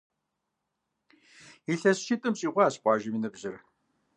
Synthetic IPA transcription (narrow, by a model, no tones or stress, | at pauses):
iɬɐsʃitʼɨmɕʼiːʁʷɑːɕpʷʼɑːʒɐminɨbʑɪr